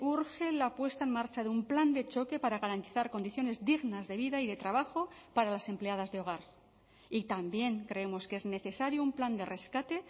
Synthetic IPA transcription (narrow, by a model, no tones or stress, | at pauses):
uɾxe̞lapwe̞st̪aenmaɾt͡ʃaðeumpland̪e̞t͡ʃo̞ke̞paɾaɣaɾant̪iθaɾko̞nd̪iθjo̞ne̞zðiɣnazðe̞β̞iðaiðe̞t̪ɾaβ̞axo̞paɾalase̞mpleað̞azðeo̞ɣ̞aɾ | it̪ambje̞ŋkɾe̞emo̞ske̞zne̞θe̞saɾjoumpland̪e̞re̞skat̪e̞